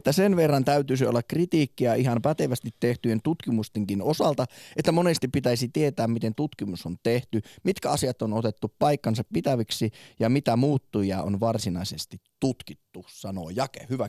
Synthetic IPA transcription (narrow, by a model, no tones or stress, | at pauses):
et̪ːæsenʋerːɑnt̪æyt̪ysio̰lːɑkrit̪iːkːiæihɑmpæt̪eʋæst̪it̪ːeht̪yent̪ut̪kimust̪eŋkinosɑlt̪ɑet̪ːæmonest̪ippit̪æisit̪iet̪æːmmit̪ent̪ut̪kimusont̪eht̪ymit̪kæɑsiɑt̪ːonot̪et̪ːuppɑikːɑnsɑppit̪æʋiksijɑmit̪æmuːt̪ːujɑo̰nʋɑrsinɑisest̪it̪ːut̪kit̪ːusɑno̰ːjɑkḛhyʋæ